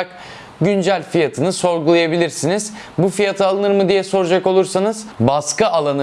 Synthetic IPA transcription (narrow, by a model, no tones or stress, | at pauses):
k | ɟynd͡ʒælʲfijat̪ʰɯnɯso̞ɾɡulˠajabilʲiɾsiniz̥ | bufijat̪ʰɯalˠɯnɯɾmɯd̪ijɛso̞ɾud͡ʒako̞lˠuɾsanɯz̥baskaalˠan